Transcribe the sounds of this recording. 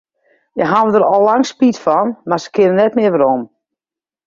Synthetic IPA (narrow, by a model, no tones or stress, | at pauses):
jəɦavədəɾɔlˠaŋspitfɔnmasə̥kʰɪnənɛtmɪəʋaɾom